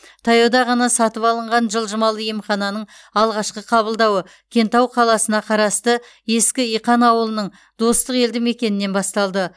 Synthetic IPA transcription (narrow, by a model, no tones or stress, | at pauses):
t̪ʰɑjɑd̪ɑʁɑnɑsɑt̪əpɑlˠəɴʁɑnʒəlˠʒəmɑlˠjemχɑnɑnəɴ | ɑlˠʁɑʃqəqʰɑβəlˠd̪ɑwə | kʲʰe̞nt̪ɑwqʰɑlˠɑsənɑqʰɑɾɑst̪ə | je̞skʲɪijqɑnɑwəlˠənəɴ | d̪̥o̞st̪əqe̞ld̪ɪme̞kʲe̞nɪne̞nbɑst̪ɑlˠd̪ə